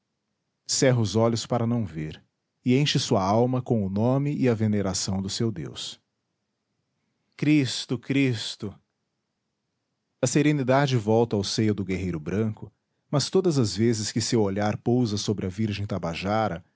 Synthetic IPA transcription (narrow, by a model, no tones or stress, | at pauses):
sɛɦɐʊzɔʎʊspaɾɐnɐ̃w̃veɾ | ɪẽʃɪsuɐawmɐkõw̃ʊnõmɪʔɪɐveneɾasɐ̃w̃d̪ʊsewd̪ḛws | kɾist̪ʊkɾist̪ʊ | ɐseɾenid̪ad͡ʒɪvɔwt̪ɐawsejʊd̪ʊɡeɦejɾʊbɾɐ̃kʊ | mɐst̪od̪ɐzɐzvezɪskɪsewoʎaɾpowzɐsobɾɪɐviɾʒẽj̃t̪abaʒaɾɐ